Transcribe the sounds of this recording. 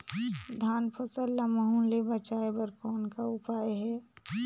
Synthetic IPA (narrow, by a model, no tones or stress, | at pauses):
d̪ʱaːnpʰosəlːaməɦũlebɐt͡ʃaːebəɾkɔːnkaʊpaːeɦɛː